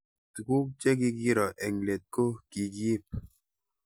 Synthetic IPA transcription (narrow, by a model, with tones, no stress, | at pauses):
tu˨ku˦k̚t͡ʃe˦ki˦ɡi˦ɾɔ˨ʔɛ˨ŋle˨t̚ko˦ki˨ɡi˦˨p̚